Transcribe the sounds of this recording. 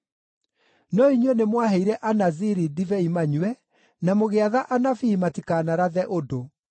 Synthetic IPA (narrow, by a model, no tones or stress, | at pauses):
nɔiɲɔnemwaɦeiɾɛʔanaziɾidivɛimaɲwɛ | namoɣeaðaʔanafiːmatikaːnaɾaðɛʔodo